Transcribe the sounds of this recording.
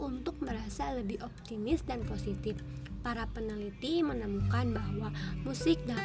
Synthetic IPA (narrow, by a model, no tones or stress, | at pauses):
unt̪ʊk̚məɾasaləbɪhɔp̚t̪imɪsdanposit̪ɪfpaɾapənəlit̪imənəmukanbaɦwamusɪk̚da